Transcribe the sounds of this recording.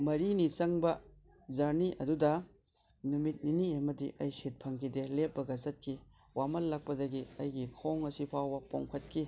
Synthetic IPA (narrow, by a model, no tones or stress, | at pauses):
mɐɾinit͡ʃɐŋbɐ | zɐɾniʔɐdudɐ | numit̚niniɐmɐdiʔɐjsit̚pʰɐŋkʰidelep̚bɐɡɐzɐt̚kʰi | wamɐlːɐk̚pɐdɐɡiɐjɡikʰoŋɐsipʰawbɐpoŋkʰɐt̚kʰi